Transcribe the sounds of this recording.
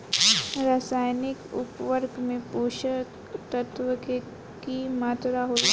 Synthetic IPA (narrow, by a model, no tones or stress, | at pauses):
ɾaːsaːjnɪkʊ̰pʋəɾɡmẽpoːʃə | t̪ət̪ʋəke | kimaːt̪ɾaɦo